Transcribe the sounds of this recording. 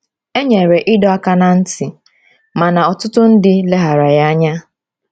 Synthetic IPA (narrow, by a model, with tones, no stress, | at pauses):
e˦ɲe˨ɾe˨ʔɪ˦dɔ˦a˦ka˦na˨n̩˦tɪ˨ | ma˨na˨ɔ˨tʊ˦tʊ˦n̩˦dɪ˦le˦ɦa˨ɾa˨ja˦a˦ɲa˦